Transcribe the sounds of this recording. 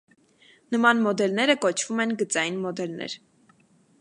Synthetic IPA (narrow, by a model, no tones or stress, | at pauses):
nəmɑnmɔd̪ɛlnɛɾəkɔt͡ʃʰv̥umɛnɡət͡sɑjinmɔd̪ɛlnɛ̰ɾ